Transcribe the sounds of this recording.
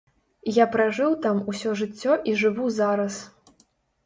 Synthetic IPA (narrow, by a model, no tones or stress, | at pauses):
japɾaʐɨwt̪amusʲɔʐɨt͡sʲːɔʔiʐɨvuzaɾɐs